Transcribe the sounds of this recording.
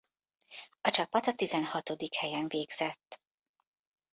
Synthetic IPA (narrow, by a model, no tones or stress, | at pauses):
ɒt͡ʃɒpɒt̪ɒt̪izɛnhɒt̪o̞d̪ikhɛjɛnveːɡz̥ɛt̪ː